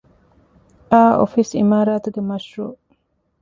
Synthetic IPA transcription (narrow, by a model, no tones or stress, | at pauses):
ʔaːo̰fisḭmaːɾaːt̪uɡemɐʃɾoː